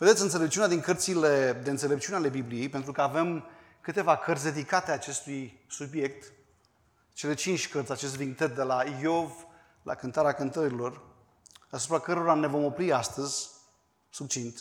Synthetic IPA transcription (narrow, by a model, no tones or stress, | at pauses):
ve̞d̪et̪sʲɨnt̪selep̚t͡ʃiunʲad̪iŋkərt̪siled̪eɨnsele̞p̚t͡ʃiuneale̞biblije̞jpent̪ɾukəave̞m | kɨt̪e̞vakərt̪sʲd̪e̞d̪ikat̪eat͡ʃe̞st̪ujsubje̞k̚t̪ | t͡ʃe̞le̞t͡ʃint͡ʃʲkərt̪ʲat͡ʃe̞st̪ed̪iŋt̪ət̪d̪elajo̞v | lʔa̰kɨnt̪aɾeakɨnt̪əɾilo̞r | asupɾakəɾo̞ɾane̞vo̞mo̞pɾiast̪əzʲ | suk̚t͡ʃint̪